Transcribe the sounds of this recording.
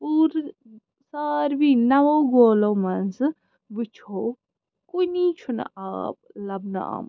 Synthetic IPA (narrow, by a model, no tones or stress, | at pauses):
uɾ | saːɾbinɐʋoɡoːlomɐnsɨ | but͡ʃʰoː | kunit͡ʃʰun̰a̰ːp̚lɐbna̰a̰ːm